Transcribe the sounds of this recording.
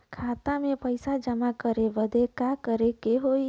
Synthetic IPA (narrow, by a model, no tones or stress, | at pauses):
kʰat̪amẽpəjsad͡ʒəmakəɾeʋəd̪ʱekakəɾekeɦoi